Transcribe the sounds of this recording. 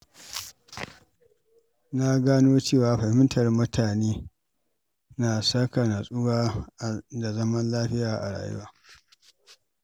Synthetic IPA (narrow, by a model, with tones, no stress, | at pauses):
na˦ɡaː˦noː˦t͡ʃeː˦˨waː˨ɸɐ˨hɪ˦ntɐ˨rmʊ˦tʰaː˨neː˦ | na˨sɐ˦ka˨na˨sʼʊ˦ɡaː˦ʔda˨zɐ˦mɐ˦nlaː˦ɸɪ˦jaː˨ʔa˨ɽa̰ː˨jʊ̰˦waː˦